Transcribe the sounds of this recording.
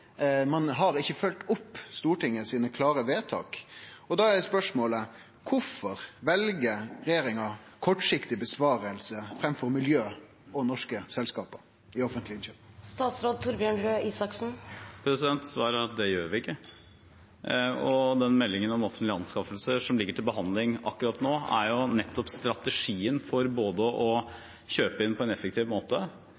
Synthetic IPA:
mɑnɦɑɾɪçːəfœlt̪ʊpːst̪uːʈɪŋːəsiːnəkʰlɑːɾəʋeːt̪ʰɑ̰ːkɔd̪ɑæspœʂmoːlə | kʰʊfɔɾʋɛlɡəɾɛjeːɾɪŋɑkʰɔʈʂɪkt̪ɪbəsʋɑːɾəlsəfɾɛmfɔɾmɪljøː | ɔnɔʂkəsɛlskɑːpə | ɪɔfənt̪lɪnʃøst̪ɑːt̪sɾoːd̪̚t̪ʰʊɾbɪæɳɾøːʔiːsɑksn̩pʰɾɛsɪd̪ɛnt̪sʋɑːɾəɾɑt̪̚d̪ɛjøːɾʋɪɪkːə | ɔd̪ɛnmɛlːɪŋənɔmɔfənt̪lɪɑnskɑfəlsəʂɔmlɪɡːəʈʰɪlbəɦɑnd̪lɪŋɑkːʉɾɑt̪noːæɾjʊnɛt̪ːɔpst̪ɾɑt̪ɛʂiːənfɔɾboːd̪əʔɔ | ɕøːpəɪnpʰɔɛnɛfək̚t̪ʰiːʋmoːt̪ə

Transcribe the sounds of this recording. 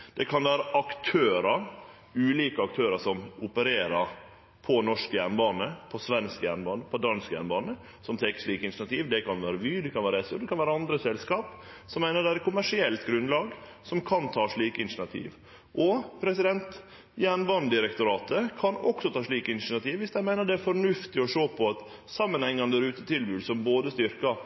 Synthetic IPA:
d̪̥ɛkʰɑnʋæːɾəʔɑkt̪ʰøːɾəɾ | ʉːliːkəɑk̚t̪ʰøːɾəʂɔmʊpəɾeːɾəɾ | pʰɔnɔʂkəjæɾɳbɑːnəpʰɔsʋɛnskjæ̰ɳbɑːnəpʰɔd̪ɑnskjæ̰ɾɳbɑːnə | sɔmt̪ʰɛːkə̥ʂɭiːkəɪnʃnɑt̪ʰiːʋd̪ɛkʰɑnʋæːɾəʋyːd̪ɛkʰɑnʋæːɾɛsəd̪ɛkɑnʋæːɾəɑnd̪ɾəsɛlskɑːp | sɔmːæɪnəɖ̪ɛæɾkʰʊmæʂɪɛlt̪ɡɾʉnlɑːɡ | sɔmkʰɑnt̪ʰɑːʂɭiːkəɪnʂɪnɑt̪ʰḭːʋ | ʔɔpʰɾɛsɪd̪ɛnt̪ | jæɳbɑːnəd̪ɪɾɛkt̪ʊɾɑːt̪əkʰɑnɔksɔt̪ʰɑːʂɭiːkəɪnʂnɑt̪ʰiːʋʋɪsd̪æɪmæɪnəɖ̪ɛæɾfɔɾɳʉft̪ɪɔʂoːpʰɔɑt̪ | sɑmːənhɛŋːɑnd̪æɾʉːt̪ət̪ʰɪlbʉːd̪sɔmboːd̪əst̪ʏɾkɑ

